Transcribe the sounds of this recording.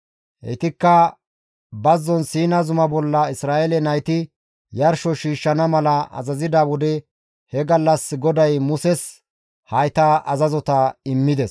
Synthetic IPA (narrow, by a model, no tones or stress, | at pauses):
ʔɛ̰t̪ɪkːɐ | bɐzːɔnsiːnɐzʊmɐbɔlːɐɪsɾaːʔɛlɛnɐjt̪ɪ | jɐɾʃɔʃiːʃːɐnɐmɐlɐʔɐ̰zɐzɪd̪awɔd̪ɛ | hɛɡɐlːɐsɡɔd̪ɐjmʊsɛs | hɐjt̪ɐʔɐzɐzɔt̪ɐɪmːɪd̪ɛs